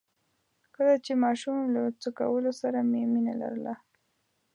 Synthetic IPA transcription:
kəlat͡ʃemɑʃumlat͡səka̰wəlosaɾamemina̰la̰ɾəla

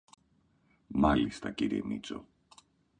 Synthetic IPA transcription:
mɐlist̪ɐciɾiḛmit͡so̞̰

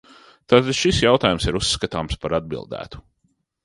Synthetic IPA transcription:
t̪aːt̪ad̪̥ʃisjawt̪aːjumsiɾusːkat̪aːmspaɾad̪̚bḭlˠd̪æ̰ːt̪u̥

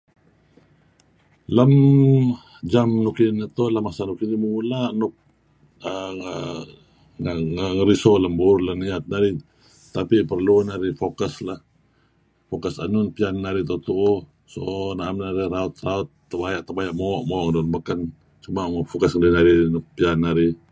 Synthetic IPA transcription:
ləm | d͡ʒamnukinət̪olamasanukinimulanʊk̚ | ə | ŋŋəŋəɾisoləmburləniat̪̚naɾi | t̪apipərlunaɾifokəslah | fokəsanʊnpianːaɾit̪ot̪uʔu | sonaamnaɾiɾaʊt̪̚raʊt̪ːəbajaʔt̪əbajaʔmoʔmoːʔŋədunbəkən | t͡ʃumaʔmɔfokasŋədinaɾinʊk̚pianːaɾi

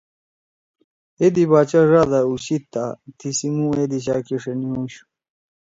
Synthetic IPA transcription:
ed̪ibaːt͡ɕaʐad̪auɕit̪ːat̪ʰisimũed̪iɕaːkiʂeniũɕu̥

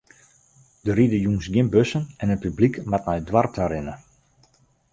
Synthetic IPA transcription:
d̥əɾidəjuŋsɡjɪnbøsənɛnət̚pyblikmatnɔjdwartʰaɾɪnə

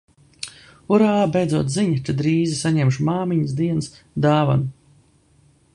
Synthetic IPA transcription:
uɾaːbejd̪zuɔt̪ziɲat͡ʃ̪ɨd̪ɾiːzisaɲɛmʃmaːmiɲsd̪iɛns | d̪aːva̰n

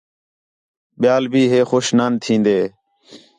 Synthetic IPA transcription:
ɓɪjaːlbʱiːɦeːxoːʃnaːnt̪ʰĩːnd̪eː

